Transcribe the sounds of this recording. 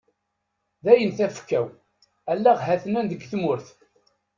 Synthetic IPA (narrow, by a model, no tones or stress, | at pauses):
ðæjənθæfkːæw | ælːæʁɦæθnænd̪əɡθmʊɾθ